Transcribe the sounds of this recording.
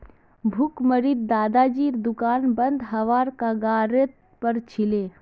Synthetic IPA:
bʱukməɾid̪̚d̪aːd̪aːd͡ʒiːɾd̪ʊkaːnbənd̪ʱɦɐʋaːɾkaɡaːɾet̪̚ | pəɾt͡ʃʰileː

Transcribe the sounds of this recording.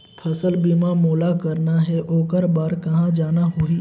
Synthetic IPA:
pʰɐsəlbimamoːlakɐɾnaɦɛʔoːkəɾbaːɾkɐɦãd͡ʒaːnaɦui

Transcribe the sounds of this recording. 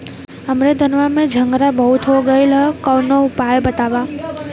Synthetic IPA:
ɦəmɾed̪ʱənʋamẽd͡ʒʱəŋɡɾabəɦut̪ʰɦoɡəilɦkɔwnoʊpajebət̪aʋa

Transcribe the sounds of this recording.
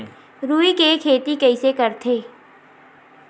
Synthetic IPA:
ɾuːikekʰeːt̪ikɛisekɐɾt̪ʰeː

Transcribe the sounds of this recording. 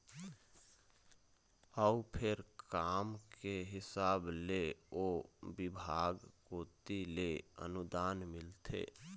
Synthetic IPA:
əupʰeɾkamkeɦɪsaːbleobɪbʱaɡkot̪ileə̰nud̪anmɪlt̪ʰḛ

